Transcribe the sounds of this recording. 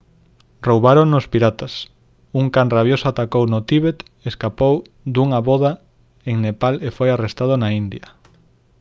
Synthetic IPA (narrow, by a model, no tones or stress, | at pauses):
rowβaɾoŋnʊspiɾat̪as | uŋkanraβjosoat̪akownot̪iβet̪ | eskapow | d̪uŋaβɔða | eŋnepalefojarest̪aðʊnaind̪jɐ